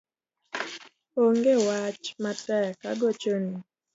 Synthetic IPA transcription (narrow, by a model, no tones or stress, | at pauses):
oŋɡewat͡ʃmatɛka̰ɡot͡ʃoni